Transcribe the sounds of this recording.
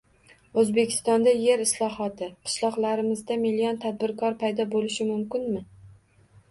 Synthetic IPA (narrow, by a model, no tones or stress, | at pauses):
ɵzbekʲʰɪ̥st̪ɒnd̪aje̞ɾɪslˠɒɦɒt̪ʰɪqʰɨ̥ʃlˠɒqlˠaɾɪmɪzd̪amilijɒnt̪ʰad̪̚bɪɾkʰɒɾpʰajd̪ɒbolɪʃɪmʊmkʲɪnmɪ